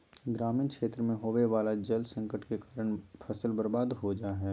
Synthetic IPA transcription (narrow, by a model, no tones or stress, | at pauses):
ɡɾaːminkʃeːt̪ɾəmẽɦoːʋeʋaːlad͡ʒelsɐ̃ŋkəʈkekaːɾəɽ̃pʰɐsəlbɐɾbaːd̪ɦod͡ʒaːɦɛː